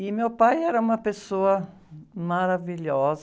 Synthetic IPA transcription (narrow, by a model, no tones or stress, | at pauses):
ɪmewpajɛɾɐũmɐpesoɐ | maɾaviʎɔz